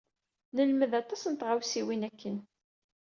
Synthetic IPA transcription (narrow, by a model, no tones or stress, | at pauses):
nəlməðɑt̪ˤɑsnt̪ʁawsiwinækːən